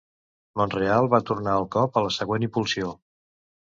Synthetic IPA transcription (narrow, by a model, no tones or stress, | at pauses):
monrealˠβat̪urnaəlˠkɔpələsəɣwenipulˠsio